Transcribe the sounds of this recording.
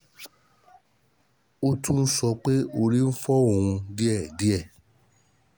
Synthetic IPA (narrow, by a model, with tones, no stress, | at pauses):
o˦tũ˦n̩˦sɔ˧k͡pe˦o˧ɾi˦n̩˦fɔ˦o˨ũ˧di˦ɛ˦˨di˦ɛ˦˨